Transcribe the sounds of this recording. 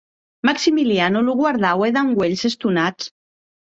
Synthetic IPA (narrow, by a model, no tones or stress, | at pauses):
maksimilianuluɣwaɾðaweðaŋɡweʎsest̪unat͡s